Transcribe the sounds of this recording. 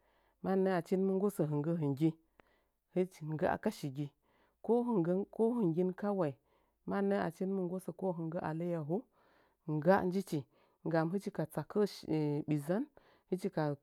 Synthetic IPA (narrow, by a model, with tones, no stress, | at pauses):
ma˦nə˦a˨t͡ʃi˦nmə˦ŋ˦ɡo˦sə˨ɦɨ˨ŋɡə˦ɦɨ˨ŋɡʲi˦ | hə˦˨ŋɡa˦ʔa̰˨ka˦ʃi˨ɡʲi˨ | ko˦ɦɡko˦ɦɨ˨ŋɡʲi˦nka˦wa˨i˨ | ma˦nə˦a̰˨t͡ʃi˦nmə˦ŋ˦ɡo˦sə˨ko˦ɦɨ˨ŋɡə˦ʔa̰˨lə˦ja˨ɦu˦˨ | ŋ˨ɡa˦n˦d͡ʒi˦t͡ʃi˨ | ŋ˨ɡa˨mɦɨ˦t͡ʃi˦ka˨t͡sa˨kə˦˨ɓi˨za˦n | hɨ˦t͡ʃi˦ka˨